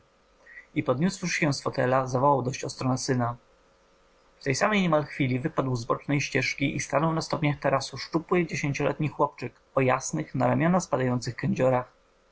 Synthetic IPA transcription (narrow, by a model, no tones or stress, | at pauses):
ipɔd̪ɲuswʂɕɛsfɔt̪ɛlazavɔwawd̪ɔɕt͡ɕɔst̪ɾɔnasɘna | ft̪ɛjsamɛjɲɛmalxfʲilʲivɘpad̪wzbɔt͡ʂnɛjɕt͡ɕɛʂkʲiʔist̪anɔwnast̪ɔpɲaxt̪ɛɾasuʂt͡ʂupwɘd͡ʑeɕeɲt͡ɕɔlɛ̰t̪ɲixwɔpt͡ʂɘk | ɔjasnɘxnaɾamʲjɔnaspad̪ajɔnt̪sɘxkɛɲd͡ʑɔɾax